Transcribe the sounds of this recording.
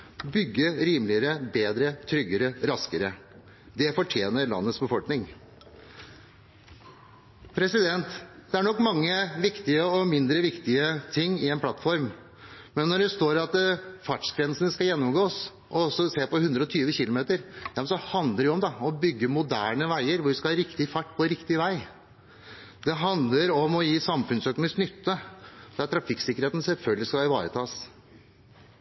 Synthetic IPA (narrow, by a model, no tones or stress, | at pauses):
bʏɡːəɾiːmlɪəɾəbeːd̪ɾət̪ʰɾʏɡːəɾəɾɑskəɾə | d̪ɛfɔʈʰjeːnəɾɭɑ̰nːət̪sbəfɔlknɪŋ | pʰɾɛsɪd̪ɛnt̪d̪ɛæɳɔkːmɑŋːəʋɪkt̪ɪəɔmɪnd̪ɾəʋɪkt̪ɪət̪ʰɪŋːɪɛnpʰlɑt̪ːfɔɾm | mɛnːɔɖɛst̪oːɾɑt̪fɑʈʂkʰɾɛnsənəskɑjɛnːɔmɡoːs | ʔɔɔsːɔseːpɔhʉnd̪ɾəɔt̪ʰyːʋəçɪlʊmeːt̪əɾjɑmnsɔhɑnd̪ləɾɛɔmd̪ɑɔbʏɡːəmʊd̪æːɳəʋæɪəɾʋʊɾʋɪskɑlhɑːɾɪkt̪ɪfɑʈːpʰɔɛɾɪkt̪ɪʋæɪ | d̪ɛɦɑnd̪ləɾɔmɔjiːsɑmfʉnsøːknɪsknʏt̪ːəd̪̥æʈ̪t̪ʰɾɑfɪkːsɪkːəɾheːt̪n̩sɛlfœlɡəlɪskɑɪʋɑ̰ːɾət̪ʰɑːs